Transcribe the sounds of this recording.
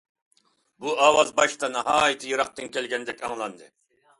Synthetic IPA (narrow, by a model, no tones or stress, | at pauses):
buɑːwɑzbɑʃt̪ɑnɑɦɑːjɨt̪ʰɪjɨɾɑq̚t̪ɨnkʲʰɛlɡʲɛnd̪ɛkʲɑŋlˠɑnd̪ɨ